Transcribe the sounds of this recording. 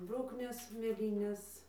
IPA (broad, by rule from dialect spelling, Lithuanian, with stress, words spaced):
ɪr ˈbrʊknʲeːs mʲeːˈlʲiːnʲeːs